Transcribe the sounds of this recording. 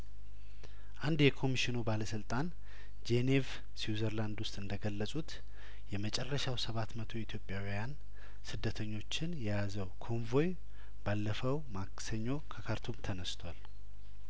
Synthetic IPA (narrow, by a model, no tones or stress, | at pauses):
ʔand̪jɛkʰo̞miʃɪnubaləsɨlt̪ʼan | d͡ʒenev | siwzəɾland̪wʊst̪ʼɨnd̪əɡəlːəsʼut̪ | jɛmət͡ʃʼɛrːəʃawsəβat̪mət̪ʰo̞it̪ʰjo̞pʼːjawijan | sɨd̪ːət̪ʰəɲːo̞t͡ʃːɪnjɛjazəwkʰo̞ɱvo̞j | balːəfəwmaksəɲːo̞kʰəkʰaɾt̪ʰumt̪ʰənəst̪ʰwal